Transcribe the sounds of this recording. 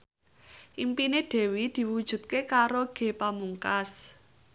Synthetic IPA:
ʔimpineɖ̥ɛ̤wid̪̥i̤wud̥ʒ̥ṳt̪̚kekaɾoɡ̥e̤pamuŋkas

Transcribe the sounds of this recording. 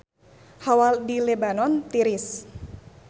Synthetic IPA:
hawaldilebanɔnt̪iɾɪs

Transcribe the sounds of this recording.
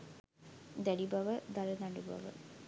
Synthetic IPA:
d̪æɖibɐʋəd̪alənaɖubɐ̰ʋə̰

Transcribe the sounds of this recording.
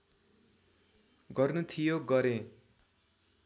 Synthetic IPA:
ɡʌrnut̪ʰijoɡʌɾẽ

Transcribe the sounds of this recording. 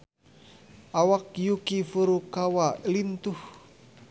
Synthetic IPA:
ʔawakjukifuɾukawalint̪uh

